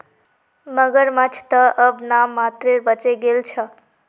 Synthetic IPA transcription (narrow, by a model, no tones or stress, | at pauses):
mʌɡəɾmat͡ʃʰt̪ʌʔʌbnamːat̪ɾeɾbət͡ʃeɡelt͡ʃʰʌ